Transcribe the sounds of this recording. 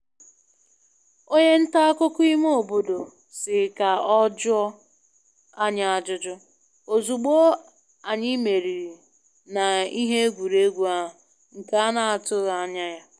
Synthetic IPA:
o˦ɲe˦n̩˦ta˦a˦kʊ˦kʊ˦i˦mo˦˨bo˦do˨ | sɪ˨ka˨ɔ˦d͡ʒʊ˦ɔ˦ | a˦ɲa˦a˨d͡ʒʊ˦d͡ʒʊ˦ | o˨zu˨ɡ͡bo˦ | a˨ɲɪ˦me˨ɾi˨ɾi˨ | na˨i˦ɦe˦e˦ɡʷu˨ɾe˦ɡʷu˦a˦ɦʊ˨ | ŋ̩˨ka˨a˦na˨a˨tʊ˦˨a˦˨ɲa˦ja˦

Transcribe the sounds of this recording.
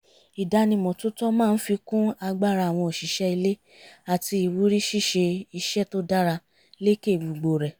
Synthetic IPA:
i˨da˧nĩ˧mɔ̃˨tu˦tɔ˦mãː˦˨˧n̩˦fi˧kũ˦a˧ɡ͡ba˦˨ɾa˧˨w̃ɔ̃˧o˨ʃi˨ʃɛ˦i˧le˦ | a˨ti˧i˨wu˨˦ɾi˦ʃi˦˨ʃe˧i˧ʃɛ˦˨to˦da˦ɾa˧ | le˦ke˦˨bu˨ɡ͡bo˨ɾɛ˨

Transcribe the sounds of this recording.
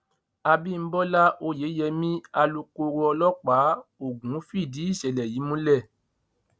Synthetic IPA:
a˧bi˦˨m̩˦bɔ˦la˦ʔo˧je˨˦jɛ˧mĩ˦a˧lu˧ko˧ɾo˧ɔ˧lɔ˦k͡pa˨˦o˦˨ɡũ˨˦fi˦˨di˨˦i˦˨ʃɛ˨lɛ˨ji˨˦mũ˦lɛ˦˨

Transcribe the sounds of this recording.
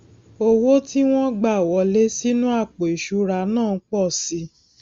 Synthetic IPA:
o˧wo˦ti˦w̃ɔ̃˦ɡ͡ba˦˨wɔ˨˧˦le˦si˦nũ˦a˦˨k͡po˨i˨ʃu˨˦ɾa˧nãː˦˨˧k͡pɔ˦˨si˨˧˦

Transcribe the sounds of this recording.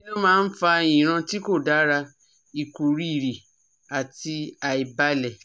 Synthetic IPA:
i˦nã˦mãː˦˧n̩˦fa˧e˧˨j̃ĩ˨ɾ̃ã˧ti˦ko˦˨da˨˦ɾa˧ | i˨ku˨ɾi˦˨ɾi˨ | a˨ti˧a˨i˨ba˧˦lɛ˨

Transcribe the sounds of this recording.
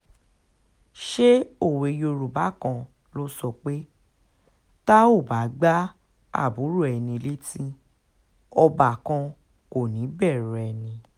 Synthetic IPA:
ʃe˦o˦˨we˨jo˧ɾu˨ba˨˦˨kã˧ | lo˦sɔ˧k͡pe˦ | ta˦o˦˨ba˨˦ɡ͡ba˦ | a̰˦˨bu˨˦ɾu˦˨ɛ˧˨nĩ˧le˦tĩ˦ | ɔ˧ba˨kã˧ | ko˦˨nĩ˨˦bɛ˦˨ɾɛ˧˨nĩ˧

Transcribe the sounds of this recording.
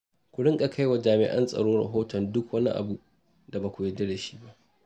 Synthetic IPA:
kʷʊ˨ɽɪ˦ŋkʼa˨kʰa˦jwa˨d͡ʒaː˨mɪ̰˨ʔɐ̰˦nsʼɐ̰˨ɽoː˦ɽɐ̰˨ɦoː˦tɔ˨ndʊ˦kwɐ˦nḭ˦ʔa̰˨bu˦ʔ | d̥a˨ba˨kʷʊ˨je˦dɐ˦de˨ʃi̥ː˦ba˦ʔ

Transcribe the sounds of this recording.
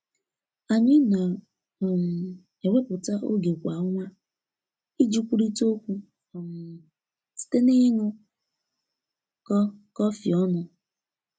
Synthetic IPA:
a˨ɲɪ˦na˨ | m̩˨ | e˨we˦pʊ˨ta˦ʔo˦ɡe˨kʷa˨˦ŋʷa˦ | i˦d͡ʒi˦kʷu˦ɾi˦to˦kʷu˦˨ | m˨ | ti̥˨te˦nɪ˦ŋʊ˦ | kɔ˦kɔ˦fi˨ɔ˦nʊ˨

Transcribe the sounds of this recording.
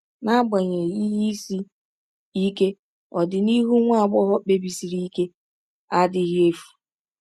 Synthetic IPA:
na˦ɡ͡ba˨ɲe˨i˦ɦi˦si˦ | i˦ke˦ | ɔ˨dɪ˨ni˦ɦu˦ŋʷ˦a˦˨ɡ͡bɔ˦ɦɔ˦k͡pe˨bi˨si˨ɾi˦i˦ke˦ | a˦dɪ˦ɦi˦e˦fu̥˨

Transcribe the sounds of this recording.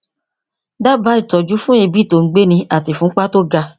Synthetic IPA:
da˦ba˨˦i˦˨tɔ˨d͡ʒu˨˦fũ˦e˧bi˦˨to˨ŋ̩˦ɡ͡be˦nĩ˧a˨ti˨fũ˦k͡pa˦to˦ɡa˧

